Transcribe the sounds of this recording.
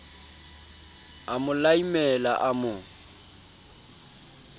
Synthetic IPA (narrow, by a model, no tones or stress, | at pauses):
amʊlaimɛla̰ʔamʊ